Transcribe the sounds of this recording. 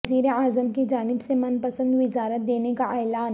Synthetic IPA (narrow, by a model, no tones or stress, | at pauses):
ziːɾeaːzəmkid͡ʒaːnɪbsemɐnpəsə̃nd̪ʋɪzaːɾət̪̚d̪eːnekaʔɛːlaːn